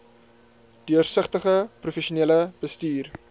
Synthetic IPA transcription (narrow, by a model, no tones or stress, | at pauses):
d̥yərsəχtəχəprufeʃuniləb̥əstyːr